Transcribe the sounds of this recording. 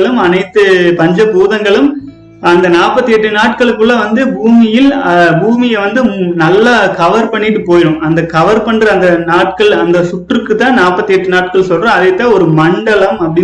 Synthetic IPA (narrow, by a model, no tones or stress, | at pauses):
ɭɯmɐnɐɪt̪ːɯpɐɲd͡ʒɐbuːðɐŋɡɐɭɯm | ɐnd̪ɐnaːpːɐt̪ːɯjɛʈːɯnaːʈ̚kɐɭɯkːɯɭːɐʋɐnd̪ɯbuːmɪjɪlbuːmɪjɛʋɐnd̪ɯnɐlːɐkɐʋɐɾpɐɳːɪʈːɯpoːjɪɾɯ̃mɐnd̪ɐkɐʋɐɾpɐɳrɐːnd̪ɐnaːʈ̚kɐɭɐnd̪ɐsʊʈrɯkːɯt̪ːãːnaːpːɐt̪ːɯjɛʈːɯnaːʈkɐɭsɔlrɐ̃ɐðɛt̪ːãːɔɾɯmɐɳɖɐɭɐmɐpːɐɽɪ